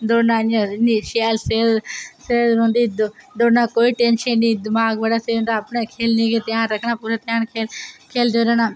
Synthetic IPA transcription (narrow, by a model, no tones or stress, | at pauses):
d̪oːnaːnãniʃalseːlseːzɾũːnd̪iːd̪d̪onaːkoːiːʈeːnʃənːĩːd̪ɪmaːɡʋəɽaːseũːnd̪aːpɳẽkʰeːlnẽɡeːt̪jãːɾɐkʰnaːpuɾet̪jãːnkʰeːlkʰeːld͡ʒ̪oːɾanaː